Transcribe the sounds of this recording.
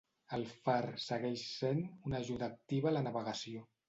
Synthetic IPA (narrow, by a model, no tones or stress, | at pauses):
əlˠfaɾsəɣɛʃsenunəʒuðəːk̚t̪iβələnəβəɣəsio